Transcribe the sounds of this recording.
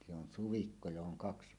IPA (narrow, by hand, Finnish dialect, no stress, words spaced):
se on suʋikːo johoŋ kɑksi̥